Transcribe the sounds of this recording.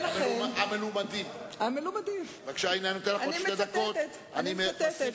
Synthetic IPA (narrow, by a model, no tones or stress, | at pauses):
lamaamelumad̪imamelumad̪ivakʃainjajnot̪enlaχoited̪ak̪ot̪ | animet̪et